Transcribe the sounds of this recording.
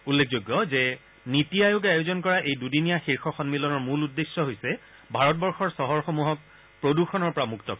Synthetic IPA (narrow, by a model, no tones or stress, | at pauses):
ulːekʰzoɡːɔzɛ | nitijajoɡajozɔnkɔɹaʔejdudinijaxiɹxʰɔxɔnmilɔnɔɹmuludːesːɔɦojsɛ | bʱaɹɔtbɔɹxɔɹsɔɦɔɹxomuɦɔk̚ | pɹoduxʰɔnɔɹpɔɹamuktɔk